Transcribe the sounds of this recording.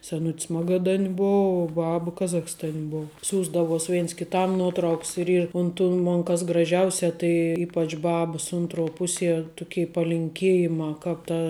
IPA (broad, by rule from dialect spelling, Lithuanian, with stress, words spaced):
sʲɛˈnʊtʲs ˈmɑːɡɐdɐnʲ ˈboːʊ uɔ ˈbɐp ˈkɑːzɐxstɐnʲ ˈboːʊ ˈsʲuːzdɐʋoːs ˈʋʲeːns kʲɪˈtɐm ˈnuɔtrɐʊks ɪr ˈiːr ʊn tuː ˈmoːn kɐs ɡrɐˈʒʲɛʊsʲɛ tɐɪ ˈiːpɐt͡ʃ ˈbɑːbəs ˈʊntˌruɔ ˈpʊˌsʲiɛ ˈtʊˌkʲɛɪ pɐlʲɪŋʲˈkʲeːjɪmɑː ˈkɑːp tɐ